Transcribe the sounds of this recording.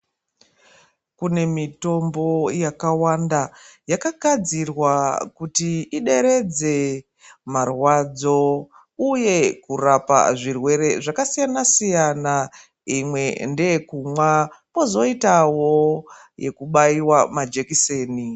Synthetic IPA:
kune̞mito̞mbo̞jakawandajakaɡʱad͡zirwakutiiɗe̞ɾe̞d͡ze̞ | marwad͡zo̞ | uje̞kurapa̰ʐirwe̞ɾe̞ʐakasijanasijana | imwe̞nde̞kumwamo̞zo̞itawo̞ | je̞̰kuɓaiwamad͡ʒekise̞ːni

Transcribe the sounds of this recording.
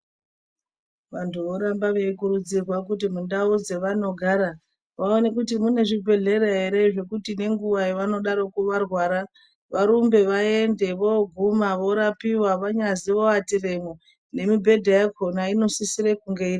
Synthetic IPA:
ʋantʰuʋo̞ɾambaʋe̞ikuɾud͡zirwakut̬imundaud͡ze̞ʋano̞ɡʱaɾa | ʋaonekutimune̞ʐibʱe̞ɮe̞ɾeɦe̞ɾe̞ʐe̞kutine̞ŋɡuʋaeʋano̞ɗaɾo̞kuʋarwaɾa | ʋaɾumbe̞ʋaende̞ʋoɡʱumaʋo̞ɾapiwaʋaɲaziʋoatire̞mo | ne̞mibʱe̞dʱejakʰonaino̞sisiɾekuŋɡeir

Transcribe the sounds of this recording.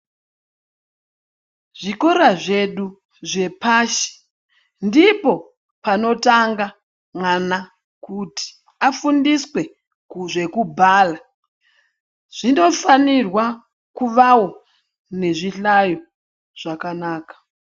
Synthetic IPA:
ʐ̥ikoɾaʐe̞ɗu | ʐe̞paːʃi̥ | ndipo̞ | pano̞taŋɡa | mwana | kuti̥ | afundiswe̞ | kuʐe̞kubʱaːla | ʐ̥ino̞fanirwa | kuʋawo̞ | ne̞ʐiɬajo̞ | ʐ̥akanaːkḁ

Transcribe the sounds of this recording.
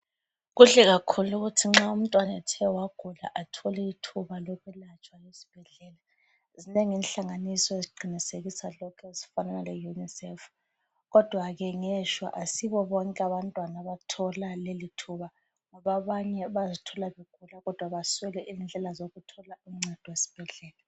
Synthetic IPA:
ɣuɬɛɣakʰuluɣutʰiŋ͡ǁaum̩tʼwanɛtʰɛwaɡ̥ʱula̰ʔatʰɔlɛitʰuβalɔɣwɛlat͡ʃʰʼwalesi̥b̥ʱɛɮɛːla | zineŋinɬaŋanisɔeziɡ͡ǃʱiniseɣisalɔkʰɛesi̥fananalɛjunisɛf | ɣɔd̥ʱwaɣɛŋɛʃwa̰ʔasiβɔβɔŋkʼɛaβantʼwanaβatʰɔlalelitʰuβa | ŋɔβaβaɲɛβazitʰɔlaβeɡ̥ʱulaɣɔd̥ʱwaβaswɛlɛʔizind͡ɮʱɛlazoɣutʰɔlauŋ͡ǀɛd̥ʱɔwesi̥b̥ʱɛɮɛːla

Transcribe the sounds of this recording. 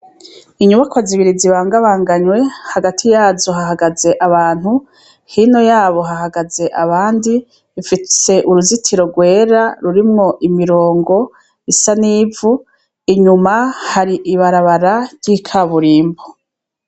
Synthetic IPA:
iɲuβakwaziβiɾiziβaːŋɡaβaːŋɡaɲwe̞haɡatʰijaːzo̞ɦaɦaɡaze̞ʔaβaːn̥hu | hino̞jaːβo̞ɦaɦaɡaze̞ʔaβaːndi | ifise̞ʔuɾuzitʰiɾo̞ɡwe̞ːɾaɾuɾimŋo̞ʔimiɾo̞ːŋɡo̞ | isaniːvu | iɲumahaɾiʔiβaɾaβaɾaɾɟ̥ikʰaβuɾiːmbo

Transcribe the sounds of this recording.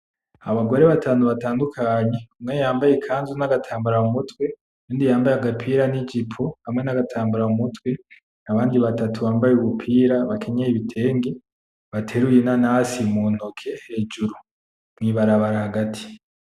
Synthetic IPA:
aβaɡo̞ɾe̞βataːnuβataːndukʰaɲe̞kumŋejaːmbajekʰaːnzunaɡatʰaːmbaɾaumutwe̞ | juːndijaːmbajaɡapʰiːɾanid͡ʒipʰohamŋe̞naɡatʰaːmbaɾaumutwe̞ | aβaːndiβatatʰuβaːmbajeuβupʰiːɾaβakʰe̞ɲejiβitʰe̞ːŋɡe̞ | βatʰe̞ɾujenanasimun̥okʰe̞he̞ːd͡ʒuɾu | mŋiβaɾaβaɾahaɡatʰi̥

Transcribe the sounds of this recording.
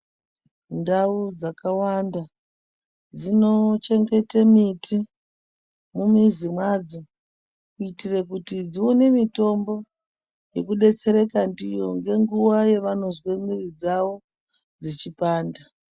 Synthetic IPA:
ndaud͡zakawanda | d͡zino̞t͡ʃe̞ŋɡe̞temitʰi | mumizimwad͡zo̞ | kuitirekutid͡zionemito̞mbo̞ | je̞kuɗe̞t͡se̞ɾekandijoŋɡe̞ŋɡuwaje̞ʋano̞zwemirid͡zaʋo̞ | d͡zit͡ʃipaːnda

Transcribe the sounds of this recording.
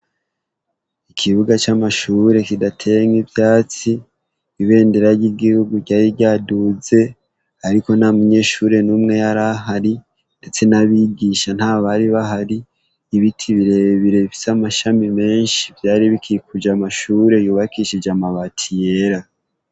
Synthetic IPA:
ikʰiβuɡat͡ʃamaʃuːɾe̞kidatʰeŋibjaːt͡siː | βe̞ːndeɾaɾɟiɡihuɡuɾɟaːɾiɟaduze̞ | aɾiko̞namuɲe̞ːʃuːɾe̞numŋe̞jaɾaɦaɾi | nde̞t͡se̞naβiɟiʃan̥haːβaɾiβaɦaɾiː | βitʰiβiɾe̞βiɾe̞βifi̥samaʃamime̞ːnʃi̥vjaːɾiβikʰiikud͡ʒamaʃuɾe̞juːβakiʃid͡ʒamaβatʰije̞ɾa

